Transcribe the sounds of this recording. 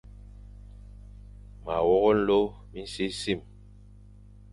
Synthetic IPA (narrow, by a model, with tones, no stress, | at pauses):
ma̰˨wɔ˦ɣɔ˦n̩˦lo˦ | mi˦n̩˦si˦si˦˨m